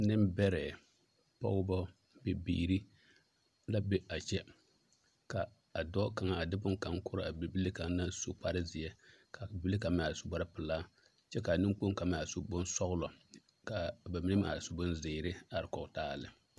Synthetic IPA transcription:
nɪ˦mbɛ˦ɾɛː˨ | pa̰˦wʊ˦bɔ˦ | be˨bḭː˦ɾi˦ | la˦bɛ˦ʔa˨t͡ʃɛ˦ | ka˨ | a˨dɔ˦ka˨ŋa˦a˨dɪ˦bʊ˦ŋka˨ŋkʊ˦ɾa˦a˨bbi˦li˦ka˨ŋ˦na˦so˦k͡pa˦ɾɪ˦zɪ˨jɛ˦ka˨bɪ˨bi˦li˦ka˨m˦˨a˨ɾso˦ba˦ɾɪ˦pɪ˨laː˦ | t͡ʃɛ˦ka˨nɪ˦ŋ˦k͡po˦ŋ˦ka˨m˦˨a˨so˦bʊ˦n˦sɔ˦ɣʊ˦lɔ˨ | ka˨ba˨mi˦nɪ˦ma̰ː˨ɪ˨sʊ˦bʊ˦nzɪː˨˦˨ɾɪ˦a˨ɾɪ˨kɔ˨ktaː˦˨lɪ˨

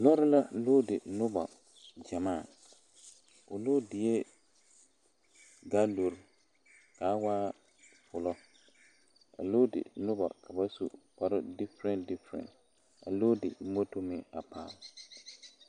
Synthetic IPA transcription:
lɔ˦ɾɪ˦la˦loː˦dɪ˨nʊ˦ba̰˨ | d͡ʒa˨maː˦˨ | ʊ˨loː˦dɪ˨je˦ | ɡa˦lo˨ɾ | ka˨˦waː˦ | fʊ˨lɔ˦ | a̰˨loː˦dɪ̰˨nʊ˦ba̰˨ka˨ba˦sṵ˨pa˨ɾɪ˦dɪ˦fɾɛ˦ndɪ˦fɾɛ̰̃˨n | a̰˨loː˦dɪ̰˨˦mo˦to˦mɪ˦a˨pʰa̰ː˨l

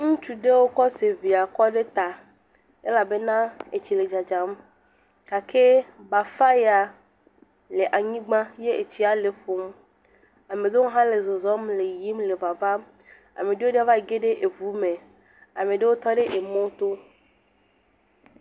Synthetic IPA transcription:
ŋũ˦t͡ʃu˦ɖe˦wo˦kɔ˦se˨vi˨a˨kɔ˦ɖe˦t̪a˨ | e˦la˨be˦nã˦e˨t͡ɕi˨le˨d͡ʒa˨d͡ʒa˨˦m | ka˨kʰe˦ba˨fa˦ja˨ | le˨ʔa˨ɲĩ˦ɡ͡bã˦je˦e˨t͡ɕi˦a˨le˨ɸo˨m | a˨mẽ˨d̪e˦ŋo˦ɦã˦le˨zo˨zɔ˦mle˨ji˦mle˨va˨va˦m | a̰˨mẽ˨ɖe˦wo˦ɖe˦a˦va˦e˨ɡe˦ɖe˦ʔe˨vu˨˦mẽ˨ | a˨mẽ˨ɖe˦wo˦t̪ɔ˦ɖe˦ʔe˨mõ˦t̪o˦

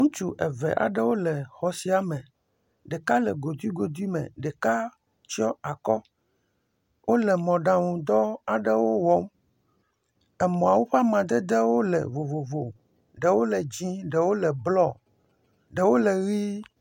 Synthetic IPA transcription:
ŋũ˦t͡ʃu˦ʔɛ˨vɛ̰˨ʔa̰˨ɖɛ˦wo˦lɛ˨xɔ˨si˦a˨mɛ̃˨ | ɖɛ˨ka˦lɛ̰˨ɡo˨d̪wi˦ɡo˨d̪i˦mɛ̰̃˨ɖɛ˨ka˦ | t͡ʃi˦ɔ˦a˨kɔ˦ | wo˦lɛ˨mɔ̃˨ɖã˨ŋũ˨d̪ɔ˦a˨ɖɛ˦wo˦wɔ˦m | ɛ˨mɔ̃˨a˨wo˦ɸa˦mã˨d̪ɛ˦d̪e˦wo˦lɛ̰˨vo˨vo˨vo˨ | ɖɛ˨wo˦lɛ˨d͡ʑĩ˦ɖɛ˨wo˦lɛ˨blɔ˦˨ | ɖɛ˨wo˦lɛ˨ɣi˦

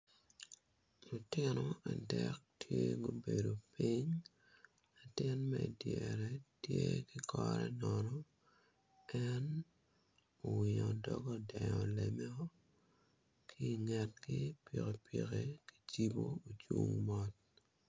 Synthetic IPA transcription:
lu˨tɪnɔ˨a˨dɛk̚tʰje˦ɡo˦be˨do˨piɲ | la˨tɪ˦nmɛi˨djɛɾɛ˦tje˦ki˦kʰɔɾɛnɔnɔ | ɛn | o˨wɪ˨ɲɔ˨dɔɡɔ˦dɛ˨ɲɔlemɛ˦ɔ˦ | kʰiː˦˨ŋɛ˨tki˦pike˨piɣeki̥˦t͡ʃi˦bo˦o˨t͡ʃwu˦ŋmɔ˦t̚

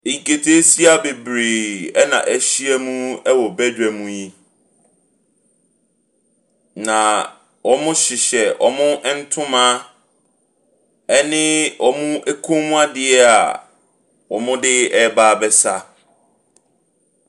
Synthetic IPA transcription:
e˨ɲi˨ke˨tʰe˦si˦a˦be˨bɾeː˨ɛ˦nã̰˨ʔæ˦ɕi˦ɛ˦mũ˦ɛ˦wɔ˨bæ˦dᶣɛ˨mũ˦˨ji˦ | nã˨ | wɔ˨mʊ̃˦ɕɪ˨ɕɛ˨ʔɔ̰˨mʊ̃˦ʔn̩˦tʰʊ̃˦mã˦ | ɛ˦nɪ̃˦ʔɔ˨mʊ̃˦ʔe˦kʰũ˦mũ˦a˦dɪ˨ɛ˦a̰˨ | wɔ˨mʊ̃˦dɪ˦ɛ˦baː˦bɛ˦sa˦

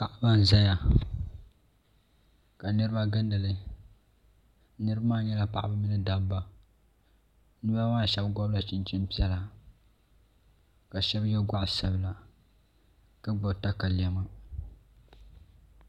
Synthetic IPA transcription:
ka˨ʔa˦ba˦n˨za˦ja˨ | ka˨nɨ˦ɾɨ˦ba˦ɡɨ˦ndɨ˨lɨ˦ | nɨ˦ɾɨ˦bmaː˦˨ɲɛ˦la˨pa˨ʔa̰˦ba˦mi˦nɨ˦da˦bba˦ | nɨ˦ba˦maː˦˨ʃɛ˦bɡɔ˦bla˨t͡ʃɪ˦nt͡ʃi˦m˦pi˦ɛ˦la˨ | ka˨ʃɛ˦bjɛ˦ɡʷa˦ʔsa˦bɨ˦la˨ | ka˦ɡ͡bɔ˨ta˦ka˨li˨ɛ˨ma˦

